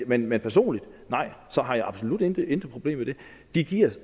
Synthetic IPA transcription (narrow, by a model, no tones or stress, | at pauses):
menmenpʰæɐso̝̰ːnlid̥nɑ̈ɪ̰sɒ̽ɦɑ̈jɑ̈ɪɑ̈b̥so̝lud̥ed̥end̥əpʰʁo̝b̥le̝̰ːmed̥e̝ | d̥iɡ̥iɐ̰s